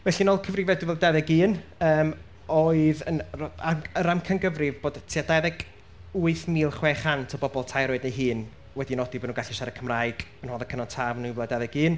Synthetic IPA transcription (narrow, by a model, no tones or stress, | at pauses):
vɛɬinɔlˠkʰəvrɪvɛduvɛlˠdɛðɛɡiːnəːm | oɨðənraməɾamkʰənɡəvrɪvboːd̥tʰiadɛðɛɡ̥ | uɨθniːlˠχweːχantʰɔbɔbɔlˠtʰajɾoɨdniɦɨːn | wɛdinɔdibɔdnuɡaɬiʃaɾəkʰəmrajɡ̥ənhɔðəkʰənɔntʰavnuvɛadɛðɛɡɨːn